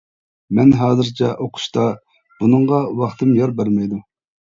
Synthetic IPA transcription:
mɛnɦɑːzɨɾt͡ʃʰɛʔoqʰʊ̥ʃt̪ɑ | b̥unɨŋʁɑwɑχt̪ʰɨmjɑɾbæɾmɛjd̪u

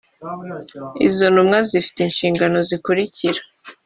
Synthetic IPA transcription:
izonumŋazifi̥teinʃiːŋɡano̞zikuɾiciɾḁ

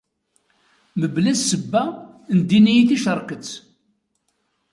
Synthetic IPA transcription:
məblæzsəbːæ | nd̪inijiθiʃəɾˤkət͡sː

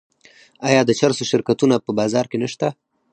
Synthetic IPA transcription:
ɑjɑd̪ət͡ʃaɾsoʃɪɾkat̪unapəbɑzɑɾkenəʃt̪a

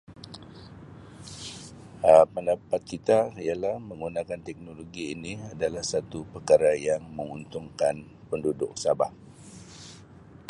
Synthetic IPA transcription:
əpəndapat̪̚kit̪aialahmə̃ŋɡunãkant̪ɛk̚noloɡiːniadalahsat̪upərkaɾajaŋməŋunt̪ʊŋkan | pəndudʊk̚sabah

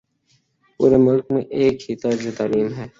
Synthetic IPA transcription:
pṵːɾemʊlkmḛ̃ʔeːkhit̪ad͡ʒot̪aːliːmɦɛː

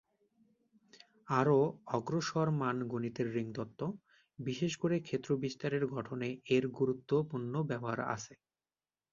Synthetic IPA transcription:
aɾoɔɡɾoʃɔɾmanɡonit̪eɾːiŋd̪ɔt̪ːo | biʃeʃkoɾekʰet̪ːɾobist̪aɾeɾɡʱɔʈʰoneeɾɡuɾut̪ːopuɾnobɛboɦa̰ɾa̰t͡ɕʰe

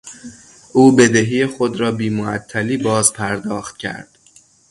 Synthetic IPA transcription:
ʔuːbe̞d̪eɦiːjexo̞d̪ɾɒːbiːmoæt̪ʰːæliːbɒːzpʰæɾd̪ɒːxt̪̚cʰæ̰ɾd̪̥

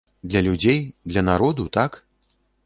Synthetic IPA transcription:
d̪lʲɐlʲud͡zʲejd̪lʲɐnaɾɔd̪ut̪ak

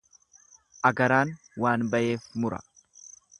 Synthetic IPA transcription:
ʔɐɡɐɾaːn | waːnbɐʔe̞ːfmʊɾɐ̰

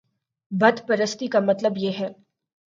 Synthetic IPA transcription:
bɐd̪pɐɾəst̪ikamɐt̪ləbjeɦɛː

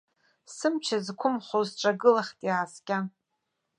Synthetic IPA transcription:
sɨmt͡ʃʰazkʷʰʊmχʷozʈ͡ʂʼaɡɨlaχʲtʼjaːskʲʼa

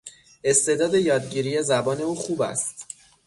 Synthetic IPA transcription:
e̞st̪e̞d̪ɒːd̪e̞jɒːd̪̚ɟiːɾiːjezæbɒːne̞uːxuːbæ̰st̪

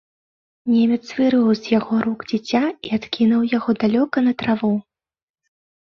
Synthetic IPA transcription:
nʲemʲɛt̪svɨɾɨwzʲjaɣɔɾuɡd͡zʲit͡sʲːaiat̪kʲinuwjaɣɔd̪alʲɔkɐnɐt̪ɾavɔ

